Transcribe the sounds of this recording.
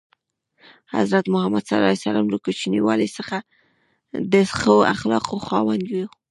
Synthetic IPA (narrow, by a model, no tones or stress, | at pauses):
ha̰zɾat̪mʊhamad̪salɑsalamɾukut͡ʃiniwɑlesəxa | d̪əxəa̰xlɑqoxɑwand̪wi